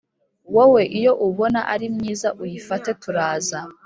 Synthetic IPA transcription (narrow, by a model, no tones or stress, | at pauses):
wowe̞ʔijo̞ʔuβo̞naʔaɾimɲiːzaʔujifate̞tuɾaːza